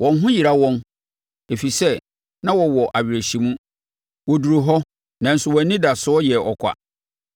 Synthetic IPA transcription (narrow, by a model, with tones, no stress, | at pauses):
wʔɔ̃˨n˦ɦʊ̃˦ji˨ɾa˦wɔ̃˦n | e˨fi˨sɛ˦˨ | nã˦wɔ˨wɔ˨ʔa˨ɥɪ˨ɾe˨ɕi˨mũ˦ | wɔ˨du˨ɾu˨ɦɔ˦ | nã˨n̩˨sʊ˨wɔ˨˦nĩ˦da˨sʊ˦ɔ˦jɛ˨ɔ˨kʰʷa̰˨